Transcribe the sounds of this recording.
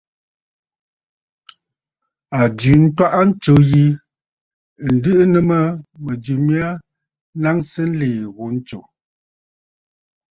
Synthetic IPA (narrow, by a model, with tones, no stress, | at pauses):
a˨d͡ʒʉ˨n̩˦twa˦ʔa˦n̩˦t͡ʃo˨ji˦˨ | n̩˨dɨ˦ʔə˦nə˦mə˦mə˨d͡ʒʉ˨mi˦a˦ | na˦ŋsə˦n̩˦leː˨ɣu˨˦n̩˦t͡ʃo˨